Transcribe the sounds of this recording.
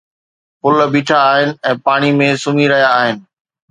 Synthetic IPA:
pʊlbiːʈʰaːɦɪnɪ̆ɛ̃ːpaːɽ̃imẽsʊmiɾɐɦjaːɦɪnɪ̆

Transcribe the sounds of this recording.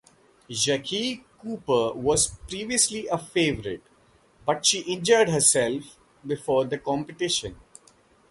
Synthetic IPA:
d͡ʒækʰikuːpəɾʋɔːzpɾiːʋiəsliʔəfeːʋəɾɪʈ̚ | bʌʈʃiːʔɪ̃nd͡ʒɔɪɖɦəɾsɛlf | bɪfɔːɾd̪əkɔ̃ːmpɪʈɪʃə̃n

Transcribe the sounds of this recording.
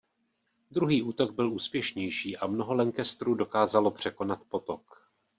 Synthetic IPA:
d̪ɾuɦiːʔuːt̪o̞ɡ̚bɪluːspjɛʃɲɛjʃiːʔamno̞ɦo̞lɛŋkɛst̪ɾuːdo̞kaːzalo̞pr̝̥ɛko̞nat̪po̞t̪ok

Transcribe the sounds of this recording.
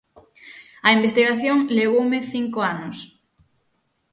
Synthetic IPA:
ɐimbest̪iɣaθjoŋleβ̞owmeθiŋkoanʊs

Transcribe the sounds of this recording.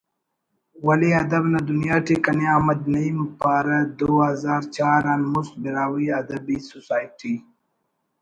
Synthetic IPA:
wɐliɐd̪ɐbnad̪unjaːʈekɐneaːmɐd̪nɐimpaːɾad̪oazaːɾt͡ʃaːɾaːnmusbiɾaːwiɐd̪ɐbisusaːjʈʰi

